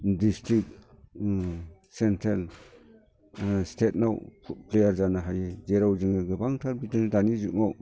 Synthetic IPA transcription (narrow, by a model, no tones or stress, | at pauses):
distɾik̚ | sentʰɾal | stʰetnawplejaɾzanaɦajezeɾawzɯŋaɡɯbaŋtʰaɾbitɯŋdanizuʔŋaw